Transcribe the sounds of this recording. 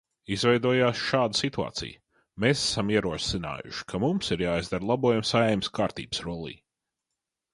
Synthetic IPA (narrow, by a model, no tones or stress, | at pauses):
izvɛjd̪uɔjaːsʃaːd̪əsit̪ua̰ːt̪sḭj | mesæ̥samiɛɾuɔsina̰ːjʊ̰ʃi̥kʰamumsiɾjaːizd̪aɾlˠabuɔjumsajɛjmskaːɾt̪ḭːbsɾuɔlˠḭː